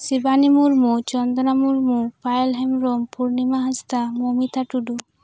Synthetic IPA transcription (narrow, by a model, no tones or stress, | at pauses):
sibanimuɾmut͡ɕɔnd̪onamuɾmupajelɦemɾompuɾnimaɦast̪amomit̪ʰaʈuɖu